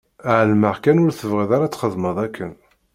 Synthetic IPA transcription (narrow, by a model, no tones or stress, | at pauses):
ʕəlməʁkænʊɾθəvʁiðaɾat͡sːχəðˤməðˤækːən